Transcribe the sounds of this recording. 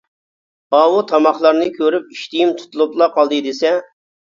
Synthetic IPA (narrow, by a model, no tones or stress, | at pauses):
ɑwut̪ʰɑmɑχlˠɑɾnɨkʲʰøɾyp̚iʃt̪ijimt̪ʰu̥t̪ʰulˠuplˠɑqʰɑlˠd̪ɨd̪esɛ